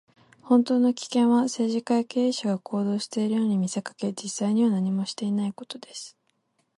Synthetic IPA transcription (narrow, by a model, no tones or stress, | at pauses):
hõ̞nt̪o̞ːno̞kʲi̥kẽ̞ɰ̃βase̞ːʑikaike̞ːɕaɡakʰo̞ːd̪o̞ːɕi̥t̪e̞iɾɯ̟jo̞ːɲ̟imʲise̞kḁke̞d͡ʑisːaiɲ̟iβanaɲ̟imo̞ɕi̥t̪e̞inaiko̞̥t̪o̞d̪e̞sɨ̥